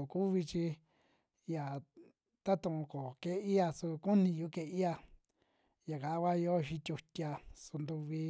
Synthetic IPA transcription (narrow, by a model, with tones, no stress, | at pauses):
o˨ku˦βi˧t͡ʃi˧ | ja˨ | t̪a˦t̪ũ˧ko˨ke˦i˦ja˧su˧kũ˦nĩ˧ju˧˦ke˧i˦a˧ | ja˨ka˨˦˧βa˦jo˦˧ʃĩ˧t̪ʲu˧tʲi˧a˧su˧nd̪u˧βi˧